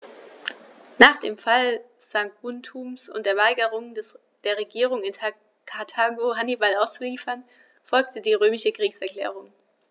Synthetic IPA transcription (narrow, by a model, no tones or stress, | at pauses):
naːχd̥eːmfal | z̥aŋɡuntʰuːmsʊ̰ntd̥eːɐvaɪɡəʁ̞ʊŋds | d̥eːɐʁ̞eɡiːʁ̞ʊŋɪn | kʰatʰaːɡoɦanibalaʊst͡suliːfɐn | fɔlk̚tədiːʁøːmɪʃəkʁ̥iːksɛɐkl̥ɛ̰ːʁ̞ʊŋ